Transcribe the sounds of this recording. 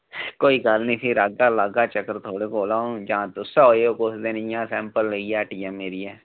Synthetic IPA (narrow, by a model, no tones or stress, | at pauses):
koːiːɡəlnĩːsʰiːɾaɡaːlaɡaːt͡ʃəkːəɾt̪ʰoːɽekoːlaːõd͡ʒãːt̪ʊsaoːeoːkosd̪eːnijãːsɛ̃ːmpəlːeiaːʈiːɛːmːeːɾiːɛː